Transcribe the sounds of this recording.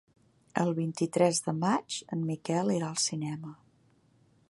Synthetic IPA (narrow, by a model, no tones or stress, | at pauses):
ə̰lˠβint̪it̪ɾɛzðəmad͡ʒənmikɛlˠiɾaəlˠsinɛmə